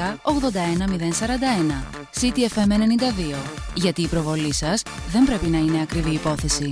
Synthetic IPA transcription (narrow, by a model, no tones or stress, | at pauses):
ɐoɣðo̞nd̪ɐe̞nɐmiðe̞nsɐɾɐnd̪ɐe̞nɐ | sit̪iefe̞mene̞nind̪ɐðio̞ʝɐt̪iːpɾo̞vo̞lisɐsðe̞mbɾe̞pinɐine̞ɐkɾiviːpo̞θe̞si